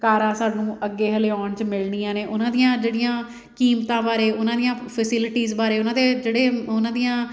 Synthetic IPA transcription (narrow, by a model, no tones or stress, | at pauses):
kaːɾãːsaːɖnũːʔəɡːeːɦəleːɔːnt͡ʃmɪlniːãːneːʔʊnãːd̪ijãːd͡ʒeːɽɪjãː | kiːmt̪ãːbaːɾeːʔʊnãːd̪ijãːpʰəsɪlɪʈiːzbaːɾeːʊnãːd̪eːd͡ʒeːɽeːʊnãːd̪ijãː